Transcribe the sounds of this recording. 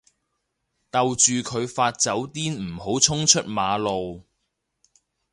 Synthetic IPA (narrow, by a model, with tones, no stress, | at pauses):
t̪ɐ˨wt͡ʃyː˨kʰɵ˨˧ɥfaː˧t̚t͡sɐ˨˥wt̪iː˥nm̩˨˩ho˨˥wt͡sʰʊ˥ŋt͡ʃʰɵ˥t̚maː˨˧lo˨w